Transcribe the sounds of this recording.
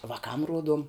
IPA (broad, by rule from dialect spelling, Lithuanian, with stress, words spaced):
ʋɐˈkɐm ˈruɔduɔm